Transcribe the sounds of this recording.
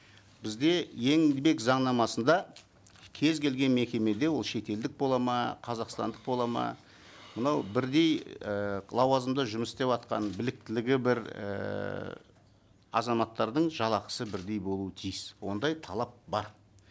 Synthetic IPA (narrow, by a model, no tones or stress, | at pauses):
bɪzd̪e̞je̞ŋd̪be̞kzɑɴnɑmɑsənd̪ɑ | kʲʰe̞zkʲʰe̞lɡʲe̞nme̞kʲe̞me̞d̪e̞wo̞lˠʃe̞t̪e̞ld̪ɪk̚bo̞lˠɑmɑqʰɑzɑqst̪ɑ̰nd̪əq̚bo̞lˠɑmɑ̰ | mənɑwbɪɾd̪e̞jəlˠɑwɑzəmd̪əʒʊməst̪e̞pɑt̪qɑ̰nbɪlɪk̚t̪ɪlɪɡʲɪbɪɾə̰ | ɑ̰zɑmɑt̪ːɑɾd̪əɴʒɑlˠɑqə̥səbɪɾd̪e̞jbo̞lˠuət̪ʰijɪswo̞̰nd̪ɑjt̪ʰɑlˠɑp̚bɑɾ